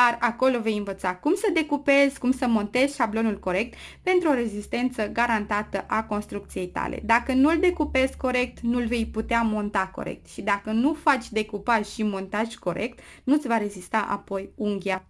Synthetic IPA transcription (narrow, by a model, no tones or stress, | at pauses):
d̪arako̞love̞jɨnvət̪sakumsəd̪e̞kupe̞z̥ʲkumsəmo̞nt̪e̞z̥ʃablo̞nulko̞ɾe̞k̚t̪pe̞nt̪ɾuo̞ɾe̞zist̪e̞nt̪səɡaɾant̪at̪əʔako̞nst̪ɾuk̚t̪sije̞jt̪a̰le̞̰d̪akənuld̪e̞kupe̞zko̞ɾe̞k̚t̪nulve̞jput̪eamo̞nt̪ako̞̰ɾḛk̚t̪ʃid̪akənufat͡ʃʲd̪e̞kupaʒʃimo̞nt̪aʒʲko̞ɾʔe̞̰kt̪ | nut̪sʲvaɾe̞zist̪aʔa̰po̞juŋɡʲa